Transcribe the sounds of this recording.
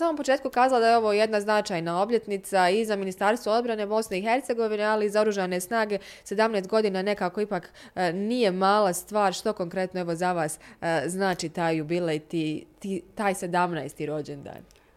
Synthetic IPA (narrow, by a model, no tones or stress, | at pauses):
samompo̞t͡ʃe̞ːt̪̚kukaːzalad̪ajeo̞ʋo̞jed̪naznat͡ʃaːjnao̞bʎʲe̞t̪nit̪saizaminist̪aɾst̪ʋoo̞d̪bɾane̞bo̞sne̞ixe̞ɾt̪se̞ɡo̞ʋinealiizao̞ɾuʒane̞snaːɡe̞se̞d̪amneːst̪ɡo̞d̪iːnane̞kaːko̞ipaːk | nije̞maːlast̪ʋaːɾʃt̪o̞ko̞ŋkɾe̞t̪noeʋo̞zaʋaːsznaːt͡ʃiːt̪aːjjubilejt̪iːt̪it̪aːjse̞d̪amnajst̪iɾo̞d͡ʑend̪a̰ːn